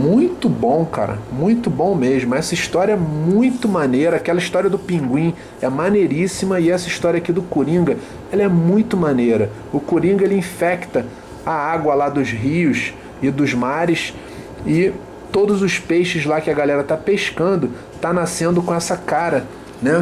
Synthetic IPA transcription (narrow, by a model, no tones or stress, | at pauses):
mũj̃t̪ʊbõw̃ka̰ɾɐ̰mũj̃t̪ʊbõw̃meʒmʊɛsɐiʃt̪ɔɾjɐɛmũj̃t̪ʊmanejɾɐakɛlɐiʃt̪ɔɾiɐd̪ʊpĩŋɡwĩ | ɛmanejɾisimɐɪɛsɐiʃt̪ɔɾiɐakid̪ʊkuɾĩŋɡɐ | ɛlɐɛmũj̃t̪ʊmanejɾɐ | ʊkuɾĩŋɡɐelɪĩfɛkt̪ɐ | aaɡwɐlad̪ʊzɦiʊʃ | ɪd̪ʊzmaɾɪʃ | ɪ | t̪od̪ʊzʊʃpejʃɪzlakɪɐɡalɛɾɐt̪apeʃkɐ̃nd̪ʊ | t̪anasẽnd̪ʊkõɛsɐkaɾɐ | nɛ